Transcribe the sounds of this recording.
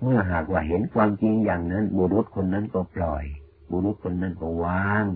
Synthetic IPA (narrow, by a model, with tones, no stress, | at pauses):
mɯ˧˥˩ɐɦaː˨˩k̚waː˧˩ɦe˨˦nkʰwaː˧mt͡ɕi˧ŋjaː˨˩ŋna˦˧˥nbɔː˧˦ɾo˦˥˩t̪̚kʰo˧nːa˦˧˥nkɔː˧˩pʰlɔː˨˩j | bɔː˧˦ɾo˦˥t̪̚kʰo˧nːa˧˥˨nkɔː˧˩waː˧˥ŋ